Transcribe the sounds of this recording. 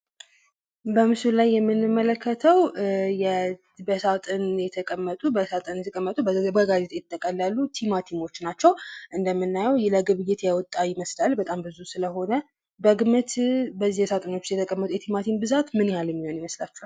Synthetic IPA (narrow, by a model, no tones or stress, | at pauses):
bəmɨsulajːɛmːɨnːɨmːələkʰːət̪ʰəwjɛ | bəsat̪ʼɨnjɛt̪ʰəkʼəmːət̪ʼubəsat̪ʼɨnjɛt̪ʰəkʼəmːət̪ʼubbəɡazet̪ʰʼjɪt̪ʼːəkʼəlːalːut̪ʰimat̪ʰino̞t͡ʃːnat͡ʃːɛwʔɨnd̪əmːɨnːajɛwjləɡɨβɨjːɪt̪jawɔt̪ʼːajɪməslalbət̪ʼambɨzusɨləɦo̞nə | bəɡɨmət̪bəzːijsat̪ʼɨno̞t͡ʃːjɛt̪ʰəkʼəmːət̪ʼujɛt̪ʰimat̪ʰinbɨzat̪mɨnjhaljɛmːiho̞njɪməslat͡ʃːua